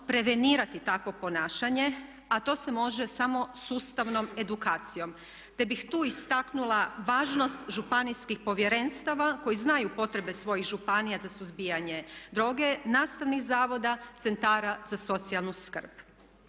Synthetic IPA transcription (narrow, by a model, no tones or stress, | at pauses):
pɾe̞ʋe̞niːɾat̪it̪akʋo̞po̞naːʃaɲe̞ | at̪o̞ːse̞mo̞ʒe̞samo̞suːst̪aʋno̞me̞d̪ukaːt̪sijo̞m | t̪e̞bixt̪uːist̪aknulˠaʋaːʒno̞st̪ʒupanijskixpo̞ʋjeɾe̞nst̪aʋako̞jiznajupo̞t̪ɾe̞be̞sʋo̞jixʒupanijazasuzbijaɲe̞d̪ɾo̞ːɡe̞naːst̪aʋnixzaːʋo̞d̪at̪se̞nt̪aːɾazaso̞t̪sialˠnuskər̩p